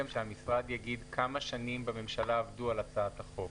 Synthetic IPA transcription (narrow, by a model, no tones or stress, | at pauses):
emʃehamisʁad̪jaɡid̪kʰamaʃanimbame̞mʃalaːvdualat͡saat̪haχo̞